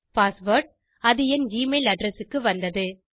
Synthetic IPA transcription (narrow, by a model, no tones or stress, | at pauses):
paːsʋoːɾʈ̚ | ɐðɯjɐnd͡ʒiːmelɐɖɾɛsɯkːɯʋɐnd̪ɐðɯ